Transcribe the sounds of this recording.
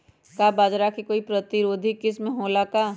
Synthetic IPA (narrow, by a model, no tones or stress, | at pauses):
kabaːd͡ʒɾakikoːipɾət̪ɪɾoːd̪ʱikɪsmẽɦoːlakaː